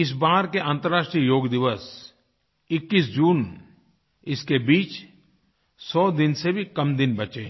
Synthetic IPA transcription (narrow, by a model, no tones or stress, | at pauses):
ɪs̬baːɦɾkeʔãːnt̪əɾːaːʃʈɾijəjoːɡd̪ɪʋəs | ɪkːis̬d͡ʒuːn | ɪskebiːt͡ʃ | sɔːd̪ɪnsebʱikɐmd̪ɪnbɐt͡ʃeː